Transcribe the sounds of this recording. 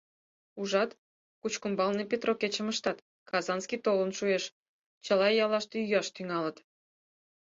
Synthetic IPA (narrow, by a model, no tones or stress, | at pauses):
uʒɑt̪ | kut͡ɕkumbɑlnepʲet̪roket͡ɕəməʃt̪ɑt̪ | kɑzɑnskit̪olənʃueʃ | t͡ɕəlɑjɑlɑʃt̪yjɑʃt̪yŋɑlət̪